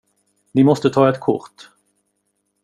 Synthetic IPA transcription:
niːmɔst̪ət̪ʰɑːɛt̪kʰʊ̰ʁt̪

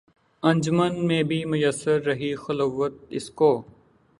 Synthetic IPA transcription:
ɐ̃nd͡ʒmənmẽːbʱiːmʊjəsːəɾːɐɦixɐloʋət̪̚ɪ̰skoː

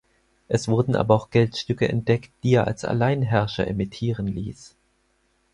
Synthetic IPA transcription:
ʔɛsv̥ʊɐdn̩ʔa̰ːbɐaʊxɡ̥ɛltʃtʏkəɛ̰nt̚d̥ɛktd̥iːeːɐʔa̰lsa̰laɪnɦɛɐʃɐ̰ʔemitʰiːʁ̞ənliːs

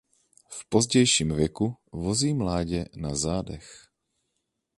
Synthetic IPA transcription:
fpozɟɛjʃiːmvjɛkuvoziːmlaːɟɛnazaːdɛx

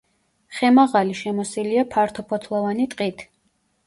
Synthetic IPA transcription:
χɛmaʁaliʃɛmɔsiliapʰaɾt̪ʰɔpʰɔt̪ʰlˠɔvanit̪ʼqʼit̪ʰ

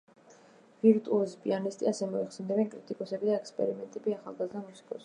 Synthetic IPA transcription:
viɾt̪ʼuazipʼḭanist̪ʼiasɛmɔiχsɛnd̪ɛbɛnkʼɾit̪ʼikʼɔsɛbid̪aɛkspʼɛ̰ɾimɛnt̪ʼɛbiaχa̰lˠɡazd̪amusi̥kʼɔs

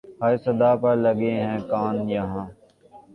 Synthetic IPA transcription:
hɐsɐd̪aːpɐɾlɐɡeɦɛ̃ːkaːnjɐɦãː

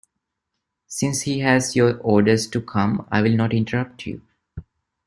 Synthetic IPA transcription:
sɪ̃nshiːɦæzjoːɾɔːɾɖəɾsʈukʰʌ̃ma̰ɪʋɪlnɔːʈɪ̃ɳʈəɾʌp̚ʈʰjṵ

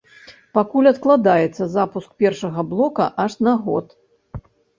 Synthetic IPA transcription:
pakulʲɐt̪klˠad̪ajɛt̪sːɐzapusk̚pʲɛrʂɐɣɐblˠɔkɐ̰ʔaʂnaɣɔ̰t̪

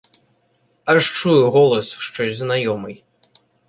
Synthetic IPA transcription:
aʂt͡ʂujuɣɔlˠɐsʂt͡ʂɔzʲznajɔmɨj

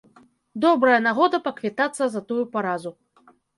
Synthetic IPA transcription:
d̪ɔbɾɐjɐnaɣɔd̪ɐpɐkvʲit̪at̪sːɐzɐt̪ujupaɾazu

